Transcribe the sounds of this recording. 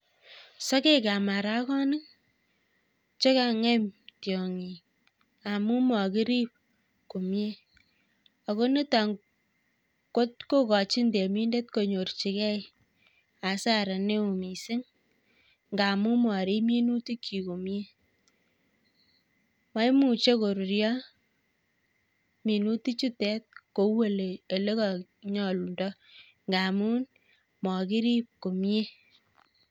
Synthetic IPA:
sɔ˦ke˦ka˨ma˨ɾa˦kɔ˦nɨ˦k | t͡ʃe˦ka˨ŋɛ˦mtjɔ˨ŋi˨ | a˨mu˦mɔ˨ki˦ɾi˦p̚ | ku˨mje˦ | a˨ko˦ni˦ta˨ŋ | ko˦t̚ko˦kɔ˨t͡ʃi˦nde˨mi˦nde˦t̚ko˨ɲo˨ɾt͡ʃi˨kɛ˦j | a˨˦sa˦˨ɾa˨ne˦u˨mi˨sɪ˦ŋ | ŋɡa˨mu˦mwɔ˨ɾi˦mi˦nu˦ti˦kʰːi˨ko˨mje˦ | ma˦jmu˨t͡ʃe˦ko˨ɾu˨ɾjɔ˦ | mi˨nu˦ti˦t͡ʃi˦tɛ˦t̚ko˨we˦le˨e˨le˦kɔ˨ | ɲɔ˨lu˨ndɔ˦ | ŋɡa˨mu˦n | mɔ˨ki˦ɾi˦p̚ko˨m˦e˦

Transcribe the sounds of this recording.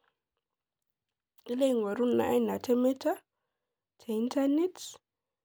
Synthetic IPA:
i˦le˦˨ŋwa˨ɾu˦n˨na̰˨ʔa˦na˨tʰɛ˦mɛ˦tʰa˦ | tʰe˨i˦ntʰa˦ne˦tʰ

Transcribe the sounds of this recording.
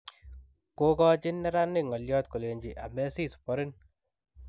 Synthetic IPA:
ko˦kɔ˦t͡ʃɪ˦nːɛ˦ɾa˦nːi˦˨ŋɔ˨ljɔ˦t̪̚ko˨le˨ɲd͡ʒi˨ʔa˨mɛ˦si˦˨su̥pɔ˦ɾɪ˦n

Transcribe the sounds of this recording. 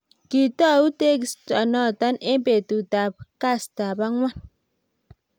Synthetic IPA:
ki˨tɔ˦˨u˦te˦kstɔ˨nɔ˦˨tɔ˦ne˦mpe˨tu˨ta˨p̚ka˦˨sta˨ba˦ŋwa˦˨n

